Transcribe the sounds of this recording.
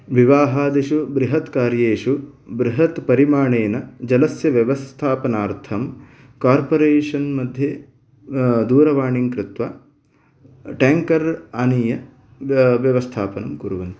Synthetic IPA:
ʋiʋaːɦaːd̪iʃubɾiɦɐt̪kaːɾjeːʂubɾiɦɐt̪pɐɾimaːɳeːnɐd͡ʒɐlɐsjɐʋjɐʋɐst̪ʰaːpɐnaːɾt̪ʰɐm | kaːɾpoɾeːʂɐnmɐd̪ʱjɐ | d̪uːɾɐʋaːɳiŋkɾɪt̪ʋa | ʈeːŋkɐɾanijɐ | ʋjɐʋɐst̪ʰaːpɐnɐmkuɾuʋɐnt̪i

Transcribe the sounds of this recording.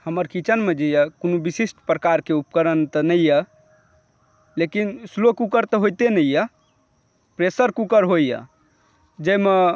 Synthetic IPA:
həməɾkit͡ʃənmed͡ʒijəkonobisisʈʰpɾəkaɾkeup̚kəɾənt̪ənəjjə | lekinslokukəɾt̪ɔɦojt̪enəjjə | pɾesəɾkukəɾɦojjə̰ | d͡ʒeme

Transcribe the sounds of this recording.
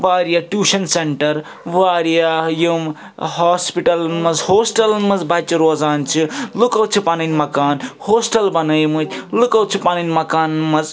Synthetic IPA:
ʋaːɾijaʈjuːʃɐnseɳʈɐɾ | ʋaːɾjajum | haːspiʈɐlmɐzhoːsʈɐlmɐzbɐt͡ʃiɾoːzaːnt͡ʃʰilukɐwt͡ʃʰipaninʲmɐkaːnhoːsʈɐlbɐnɐjmɨt͡ʃʰlukɐwt͡ʃʰipaninʲmɐkaːnmɐz

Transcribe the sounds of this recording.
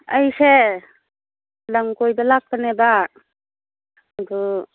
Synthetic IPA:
ajse | laŋkojdalak̚taneba | d̪ɔ

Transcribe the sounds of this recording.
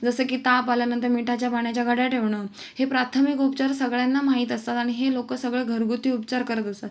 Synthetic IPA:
d͡zəsəːkiːt̪apaljanənt̪əɾmiʈʰat͡ɕjabaɳjat͡ɕjaɡʱəɽjaʈʰeʋɳəː | hepɾat̪ʰəmikupt͡ɕaɾsəɡɭjanːamaɦiːt̪əst̪at̪aɽ̃iɦelokəsəɡɭeɡʱəɾɡut̪iːupt͡ɕaɾkəɾət̪əst̪at̪

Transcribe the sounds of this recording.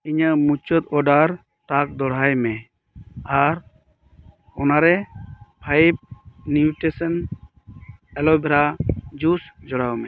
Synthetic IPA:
iɲəmut͡ʃɔt̪ɔɖaɾ | ʈak̚d̪ɔɽ̤ajmɛ | aɾ | ɔnaɾɛpʰajp̚niuʈɛsən | ɛlɔbɛɾad͡ʒusd͡ʒɔɽawmɛ

